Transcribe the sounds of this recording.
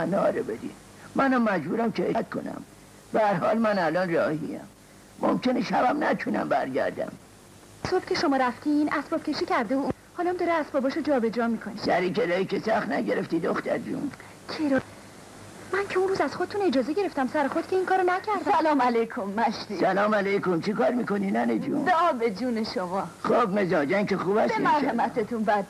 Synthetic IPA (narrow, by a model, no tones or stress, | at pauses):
ænɒːɾebed̪ḭ | mænæmːæd͡ʒbuːɾæmcʰeet̪̚kʰo̞̰næ̰m | b̥ææɾɦɒːlmænælɒːnrɒːhiæ̰mː | o̰mkʰeneʃæbæmnæt̪ʰunæ̰mbæɾɟæ̰ɾd̪æ̰m | sob̥cʰʲe̞ʃomɒːɾæft̪ʰinæsbɒːb̥̚cʰʲe̞ʃicʰæɾd̪eu | hɒːlɒmd̪ɒːɾeæsbɒːbɒːʃod͡ʒɒːbe̞d͡ʒɾɒːmikʰonesæɾikeɾɒːikʲesæxt̪næɟeɾeft̪iːd̪oxt̪æɾt̪ṵn | cʰeɾɒː | mæncʲʰeunruːzæz̥xod̥̪et̪ʰune̞d͡ʒɒːzeɟe̞ɾe̞ft̪æmsæɾexo̞d̪̚cʰe̞iŋkʰɒːɾonæcʰæɾd̪æsælɒːmælejkʰomːæʃt̪isælɒːmælejkomt͡ʃʰikɒːɾmiːkoninæned͡ʒṵːnd̪æːbed͡ʒuːneʃomɒːχobnezɒːd͡ʒænkexuːbæsb̪eimæɾhemæt̪ʰet̪ʰunbæd̪